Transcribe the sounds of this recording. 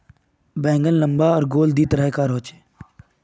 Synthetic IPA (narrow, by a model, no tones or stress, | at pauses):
bɛ̃ːŋɡəlləmbaːɔːɾɡoːld̪iːt̪əɾəɦkaːɾoːt͡ʃeː